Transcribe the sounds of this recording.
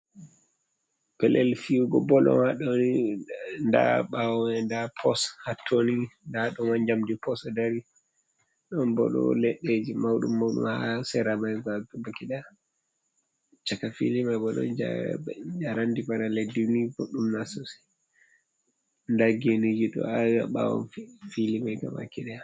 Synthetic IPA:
pɛlʔɛlfiɡɔbɔlɔ̰nhaɗoni | nda̰ɓawɔɛndapʰɔshatʰːonindaɗɔmand͡ʒamdipɔsdaɾi | ɗɔnbɔ̰ɗɔ̰lɛɗːed͡ʒimawɗṵmːawɗṵmhasɛɾamajɡaɡbakiɗa | t͡ʃakafilimabɔɗɔ̰nd͡ʒa̰d͡ʒaɾandibanaledinibɔɗumnasɔsɛ̥ | ndaɡenid͡ʒiɗɔ̰awia̰ɓa̰wɔ̰nfilimajka̰ma̰kiɗɛ

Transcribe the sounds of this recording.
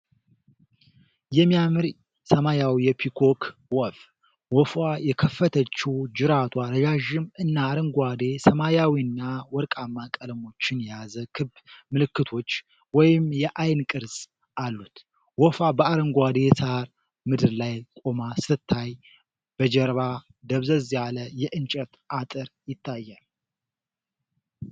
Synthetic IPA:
jɛmːijamɨɾ | səmajawijɛpʰikʰo̞kʰwɔf | wɔfwajɛkʰəfːət̪ʰət͡ʃːɛwd͡ʒɨɾat̪ʰwaɾəd͡ʒaʒɪmɨnːaːɾəŋɡʷad̪e̞səmajawiɨnːawɔɾkʼamːakʼəlmo̞t͡ʃːɪnjɛjazəkʰɨbmɨlɨkːɨt̪ʰo̞t͡ʃː | wɔjɪmjɛʔajnkʼɨɾsʼ | ʔalːut̪ | wɔfabəaɾəŋɡʷad̪e̞saɾ | mɨd̪ɨɾlajkʼo̞masɨt̪ʰːaj | b̥əd͡ʒɛɾβa | d̪əβzəzjaləjɛʔɨnt͡ʃʼɛt̪ʔat̪ʼɨɾjɪt̪ʰːajːal

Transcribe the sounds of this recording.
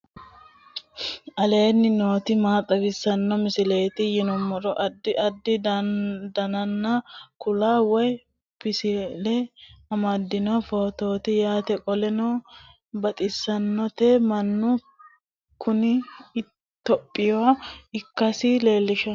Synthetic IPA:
ʔɐle̞ːnːɪnoːt̪ɪmaːt̪ʼɐɡɪsːɐnːɔmɪsɪle̞ːt̪ɪjɪnɔmːɔɾɔʔɐd̪ːɪʔɐd̪ːɪ | d̪ɐnɐnːɐkʊlaːwɔj | pɪsɪlɛɐmɐd̪ːɪnɔfo̞ːt̪o̞ːt̪ɪjaːt̪ɛkʼɔlɛnoː | bɐt̪ʼɪsːɐnːɔt̪eːmɐnːʊ | kʰʊnɪ | t̪ːɔpʼːɪjɔwɐɪkːɐsɪle̞ːlːɪʃɔ

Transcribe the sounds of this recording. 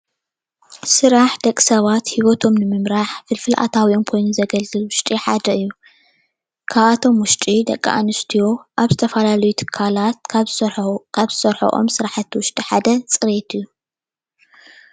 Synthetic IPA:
sɨɾaħd̪ɐkʼːi̥sɐβat̪hiwot̪ʰo̞mnɨmɨmɾaħfɨlfɨlʔa̰t̪ʰawionkʰo̞jnozɐɡɐlzɨlwʊʃt̪ʼiħad̪ɐɨjːu | kʰaβat̪ʰo̞mwʊʃt̪ʼid̪ɐkʼːa̰ʔa̰nɨst̪ʰijo̞ʔaβzɨt̪ʰɐfɐlalɐjut̪ʰɨ̥kʰːalat̪̚ | kʰaβsɐɾħo̰ʔo̞̰msɨɾaħat̪ʰːɨwʊʃt̪ʼiħad̪ɐt͡sʼɨɾet̪ʰɨjːu

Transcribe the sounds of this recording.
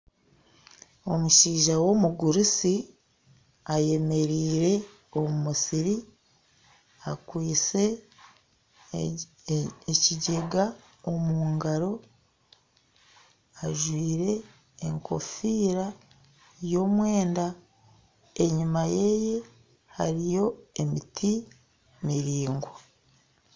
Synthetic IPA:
o̞muʃiːʒawo̞muɡuɾusi | aje̞me̞ɾiːɾe̞ | o̞mumusiɾi | akwiːt͡se̞ | eciɟe̞ɡa | o̞muːŋɡaɾo̞ | aʒwiːɾe̞ː | ŋkʰo̞̰fiːɾa | jo̞ːmwe̞ːnda | e̞ɲumaje̞ːje̞ | ha̰ɾijo̞e̞mitʰi | miɾiːŋɡwo

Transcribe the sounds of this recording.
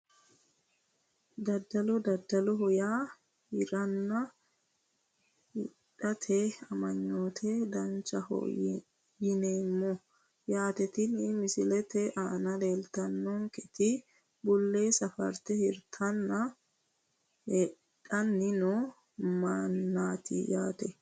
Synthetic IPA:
d̪ɐd̪ːɐlɔd̪ɐd̪ːɐlɔɦʊjaː | hɪɾɐnːɐ | hɪᶑɐt̪ʰɛɐmɐɲːoːt̪ʰed̪ɐnt͡ʃɐhɔ̰ | jɪneːmːɔ | jaːt̪ɛt̪ɪnɪmɪsɪlɛt̪ɛʔaːnɐleːlt̪ɐnːɔŋkʼɛt̪ɪ | bʊlːeːsɐfɐ̰ɾt̪ɛhɪɾt̪ʰɐnːɐ | he | ᶑɐnːɪno | mɐnːaːt̪ɪ̰jaːt̪ɛ

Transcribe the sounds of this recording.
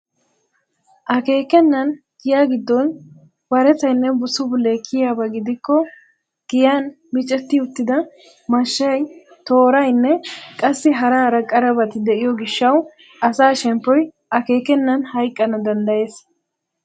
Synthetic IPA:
ʔɐke̞ːkɛnːɐn | ɡ̥ɪjaːɡɪd̪ːɔn | bɐɾɛt͡sɐjnːɛbʊsʊbʊlːekʰːɪjaːbɐɡɪd̪ɪkːɔ | ɡ̥ɪjan | mɪt͡ʃʼːɛt̪ːɪʊt̪ːɪd̪ɐ | mɐʃːɐj | t̪o̞ːɾɐjnːɛkʼɐsːɪɦɐɾaːɾɐkʼːɐɾɐbɐt̪ɪd̪ɛʔɪjɔɡɪʃːɐw | ʔɐsaːʃɛmpːɔj | ʔɐke̞ːkɛnːɐnhɐjkʼːɐnɐd̪ɐnd̪ɐje̞ːs

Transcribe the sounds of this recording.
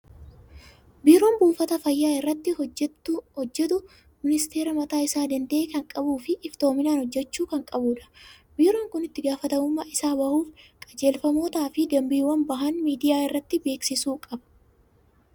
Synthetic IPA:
biːɾo̞ːnbuːfɐt̪ɐfɐjːaːɪrːɐt̪ːɪɛhɔd͡ʒːɛt̪ʊ | mɪnɪst̪e̞ːɾɐmɐt̪aːɪsaːd̪ɐnd̪ɐeːkɐŋkʼɐbuːfɪʔɪft̪o̞ːmɪnaːnhɔd͡ʒːɛt͡ʃːuːkɐŋkʼɐbuːᶑɐ̥ | biːɾo̞ːŋkʊnɪt̪ːɪɡaːfɐt̪ɐmʊmːaːʔɪsaːbɐhuːfkʼɐ̥d͡ʒe̞ːlfɐmo̞ːt̪aːfɪd̪ɐmbiːwɐnbɐɦɐnmiːd̪ɪjaːɪrːɐt̪ːɪbeːksɪsuːkʼɐb̥

